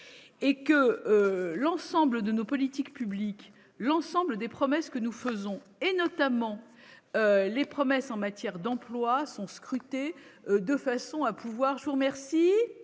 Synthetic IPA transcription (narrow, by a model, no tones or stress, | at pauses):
ekəølɑ̃sɑ̃bləd̪ənopɔlit̪ikpyblik | lɑ̃sɑ̃bləd̪epχɔmɛskənufəzɔ̃ | enɔt̪amɑ̃ | ølepχɔmɛsɑ̃mat̪jɛʁd̪ɑ̃plwasɔ̃skχyt̪ed̪əfasɔ̃apuvwaʁʒəvuʁəmɛʁsi